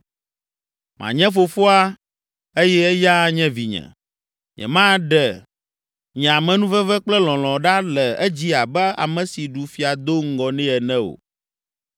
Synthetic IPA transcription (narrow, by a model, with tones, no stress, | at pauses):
mʔã̰˨ɲɛ̃˦fo˨fo˦a˦ | e˦jɛ˦ɛ˦ja˦ɲɛ̃˦vi˨ɲɛ̰̃˨ | ɲɛ̰̃˨mã˦ɖɛ˨ | ɲɛ̃˨a˨mɛ̃˨nũ˦vɛ˦vɛ˦k͡plɛ˦lɔ̃˨l̃ɔ̃˨ɖa˦lɛ˨ɛ˦d͡ʑi˦a˨bɛ˦a̰˨mɛ̃˨si˨ɖu˨fi˨a˨d̪o˦ŋ̩˦ɡɔ˨nɛ̃˦ɛ˨nɛ̃˦o̰˨